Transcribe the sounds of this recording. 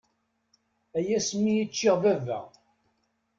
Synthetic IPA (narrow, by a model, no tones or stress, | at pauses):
æjæsmːijət͡ʃːɪʁvævæ̰